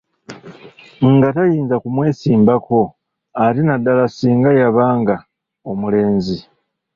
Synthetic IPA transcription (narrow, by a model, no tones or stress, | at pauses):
ŋɡatajiːnzakumwe̞ːsiːmbako̞ | aɾinadːalasiːŋɡajaβaːŋɡa | omule̞ːnzi